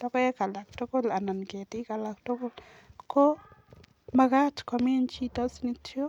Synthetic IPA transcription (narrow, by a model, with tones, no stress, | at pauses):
d̥ɔ˦kɔ˦jɛ˦ka˨la˨kto˦ko˦la˨na˨nɡe˨tɪ˦ka˨la˨kto˦ko˦l | ko˦ | maɡa˦tkɔmɪ˦nt͡ʃi˦tɔ˦sni˦tʰjo˦